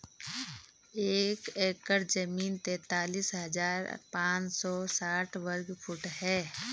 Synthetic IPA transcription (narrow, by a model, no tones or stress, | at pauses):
eːkeːkːəɾd͡ʒəmiːnt̪eːt̪aːliːsɦəd͡ʒaːɾpãːt͡ʃsɔsaːʈʰwəɾɡpʰuʈɦɛː